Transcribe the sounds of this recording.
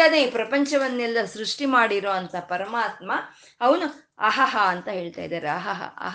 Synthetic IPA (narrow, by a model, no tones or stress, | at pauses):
ɐneːpɾɐpɐɲt͡ʃɐʋɐnːɛlːɐsɾuʂʈimaːɽiɾo̞ːɐnt̪ɐpɐɾɐmaːt̪mɐ | ɐʋɐnu | ɐɦɐɦɐːnt̪ɐɦe̞ːɭt̪a̰ːjd̪aːɾeɐɦɐɦɐ̰ɦ